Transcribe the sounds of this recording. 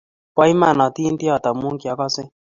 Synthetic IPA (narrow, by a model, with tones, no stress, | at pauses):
pa˦i˦ma˦˨nɔ˨t̪i˦nti˦ɔ˨t̪a˨mu˦ŋki˨ɔ˨˦kɔ˦sɪ˦